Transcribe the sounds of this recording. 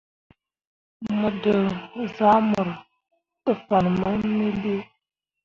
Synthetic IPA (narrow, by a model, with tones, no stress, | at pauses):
mə˨də˨za˦mə˨ɾ | tə˨fa˨nma˦nə˦le˦